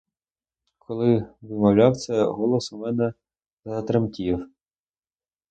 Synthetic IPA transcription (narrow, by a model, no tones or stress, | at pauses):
kʰɔlˠɪʋɪmɐwlʲɑwt̪sɛɦɔlˠɔsʊmɛnɛ | zɐt̪ɾemkʲiw